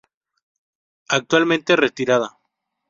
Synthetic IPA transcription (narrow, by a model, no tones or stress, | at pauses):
ak̚t̪walmẽnt̪eret̪iɾað̞a